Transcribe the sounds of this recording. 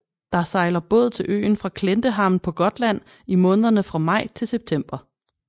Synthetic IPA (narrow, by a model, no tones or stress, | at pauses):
d̥ɑ̈sɑ̈ɪlɐb̥ɔ̰̽ːðˠt͡sʰe̝lʔø̰ːn̩fʁɑ̈kʰlend̥əɦɑ̈n̩pʰɒ̽ɡ̥ɒ̽d̥læn̰ | imɔ̽ːnəð̞ˠɐnəfʁɑ̈mɑ̈ɪ̰t͡sʰe̝lseb̥̚t͡sʰem̰b̥ɐ